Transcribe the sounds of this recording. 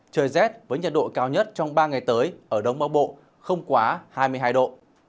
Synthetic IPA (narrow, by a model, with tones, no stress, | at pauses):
t͡ɕəː˨˩jzɛ˦˥t̚vəː˨˦jɲə˨˩t̚ɗo̰˧˨kaː˧wɲə˦˥t̚t͡ɕɔ˧wŋ͡mɓaː˧ŋa˨˩jt̪əː˨˦jʔəː˧˩ɗə˨˧wŋ͡mɓaː˨˧˦wɓo̰˧˨ | xə˧wŋ͡mkwaː˨˦haː˧jmɨ˧əjɦaː˧jɗo̰˧˨